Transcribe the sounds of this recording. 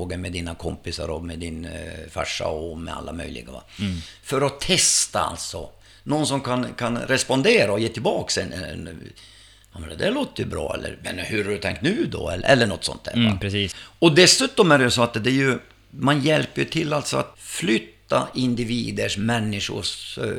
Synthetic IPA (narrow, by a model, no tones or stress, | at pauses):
oːɡəmɛd̪iːnakʰɔmpɪsaɾɔmɛd̪ɪnfa̰ʂːa̰ɔmɛ̰a̰lːamœ̰jlɪ̰ɡava̰fœɾɔt̪ʰɛst̪aa̰lt̪sɔ̰ | noːns̬ɔmkʰankʰanɾɛspɔnd̪eːɾaɔjeːt̪ʰɪlbɑːksɛnɛ | ɑmɛnd̪ɛloːt̪əjɵ̰bɾɑ̰ːɛ̰lːə̰ɾmɛ̰nhɵɾaɖɵt̪ʰɛ̰ŋk̚t̪nʉ̟ːd̪ɔɛɛlːəɳɔt̪ːsɔ̰nt̪hæ̰ːvapɾɛsiːɔd̪ɛsʉ̟ːt̪ɔmæɖɛjɵsɔat̪d̪ɛɾjɵ | manjɛlpːəjɵt̪ʰɪlːalt̪sɔa̰t̪flʏt̪ːaʔɪnd̪ɪviːd̪əʂmɛnːɪʂʊ̰ʂ